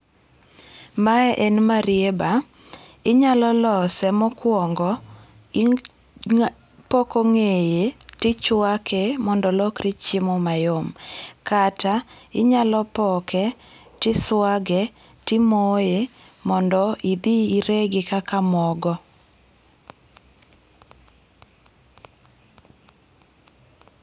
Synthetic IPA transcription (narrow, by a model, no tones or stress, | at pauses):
maɛʔɛnmaɾɪeba | ɪɲalɔlɔsɛmɔkwɔŋɡɔ | pɔkoŋejetɪt͡ʃwakʰɛmɔndɔlɔkɾɪt͡ʃɪmɔmajomkataɪɲalɔpɔkʰɛ | tɪswaɡɛ | tɪmoje | mɔndɔid̪iːɾeɡɪkakamɔɡɔ